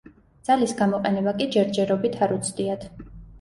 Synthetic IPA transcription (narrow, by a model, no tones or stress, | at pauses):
d̪z̥alisɡamɔqʼɛnɛbakʼid͡ʒɛɾd͡ʒɛɾɔbit̪ʰaɾut̪sʰd̪iat̪ʰ